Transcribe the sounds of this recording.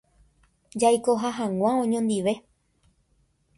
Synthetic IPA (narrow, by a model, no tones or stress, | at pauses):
d͡ʒajkoɦaɦãw̃ãõɲõnd̪iʋe̞